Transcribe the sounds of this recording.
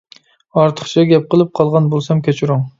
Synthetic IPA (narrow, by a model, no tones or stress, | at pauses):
ɑɾt̪ʰə̥χt͡ʃʰɑɡʲɛp̚qəlˠɨp̚qʰɑlˠʁɑnbolˠsɑmkʲʰɛt͡ʃʰuɾʊŋ